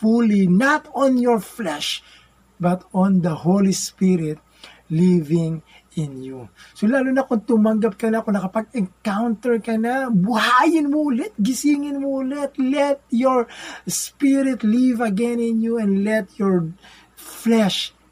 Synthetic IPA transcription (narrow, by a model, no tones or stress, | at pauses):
fulinɐt̪ɔnjɔɹflɛʃ | bɐt̪ɔnd̪ɐholispiɾɪt̪̚ | livɪŋ | ɪnjusolaːlunɐkʊŋt̪ʊmɐŋɡap̚kɐnakonɐkɐpɐɡ̚ɛŋkawnt̪ɛɹkɐnabʊhaːjɪnmolɛt̪̚ɡɪsiːŋɪnmolɛt̪lɛt̪̚jɔɹspiɾɪt̪livɐɡɛnɪnjuɛ̃nd̪lɛt̪jɔɹ | flɛʃ